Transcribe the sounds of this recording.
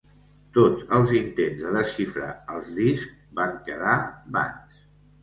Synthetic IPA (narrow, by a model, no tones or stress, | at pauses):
t̪ot͡səlˠzint̪enzðəðəsifɾə̰əlˠzðisk | baŋkəðaβa̰ns